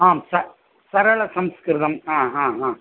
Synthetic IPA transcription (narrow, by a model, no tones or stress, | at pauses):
aːmsɐ | sɐɾɐɭɐsɐmskɾɪðɐmãːɦãːɦãː